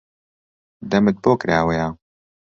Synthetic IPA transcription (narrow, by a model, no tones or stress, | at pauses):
d̪ɐmɨt̪̚boːkɾaːwɐjaː